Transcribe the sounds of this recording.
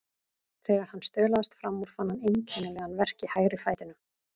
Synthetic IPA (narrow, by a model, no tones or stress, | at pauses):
θɛːɣaɾ̥hanːst̪œːlaðast̪fɾamːuɾ̥fanhanejɲcʰɛnːɪlɛɣanvɛr̥cɪhaːjɾɪfaːjt̪ɪnʏ